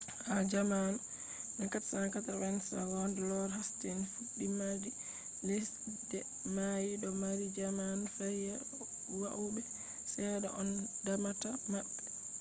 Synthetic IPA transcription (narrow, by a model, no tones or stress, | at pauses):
had͡ʒaman | nɛkatsakatawɛnsawɔndɛlɔɾhastenfuɗːimadi | les | dɛ | majiɗɔmaɾid͡ʒamanfajɛ | waʔubɛ | sɛɗɛʔɔndamatamaɓɛ